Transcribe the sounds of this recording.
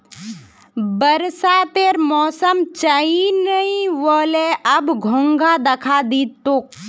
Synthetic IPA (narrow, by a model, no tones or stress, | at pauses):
bəɾsat̪eːɾmɔːsəmt͡ʃainəĩʋoːleʔɐbɡʱõŋɡad̪ɐkʰad̪iːt̪ːok̚